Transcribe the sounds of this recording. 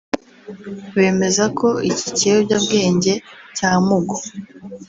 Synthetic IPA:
we̞ːme̞zakʰo̞ici̥cejoɟabɡe̞ːɲɟe̞caːmuɡo

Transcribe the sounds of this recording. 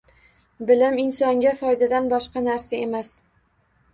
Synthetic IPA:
bɪlɪmɪnsɒŋɡʲafɒjd̪ad̪anbɒʃqɑnaɾsae̞mas

